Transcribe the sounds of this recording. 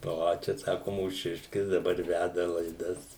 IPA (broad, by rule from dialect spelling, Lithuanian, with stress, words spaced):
ˈoː ˈt͡ʃʲɛ ˈsɑːkʊ muːˈʃʲɪʃʲkʲɪs dˈɑːbɐr ˈʋʲædɐ lˠɐɪˈdɐs